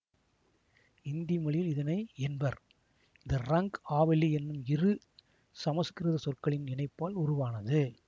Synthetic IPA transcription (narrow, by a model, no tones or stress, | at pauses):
ɪnd̪ɪjɐmɐɭɪjɪlɪðɐnɐɪɛnbɐɾ | ɪðɐrɐŋkaːʋɐlːiɛnːɯmɪrɯ | sɐmɐskɪɾɯðɐsɔrkɐɭɪnɪnɐɪpːaːlʊɾʊʋaːnɐðɯ